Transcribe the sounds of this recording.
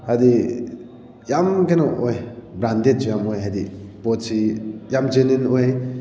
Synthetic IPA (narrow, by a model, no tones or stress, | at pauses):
hadi | jamɡenɔʔojbɾandet̚sijamojɦajdipɔt̚sijamd͡ʒeninoj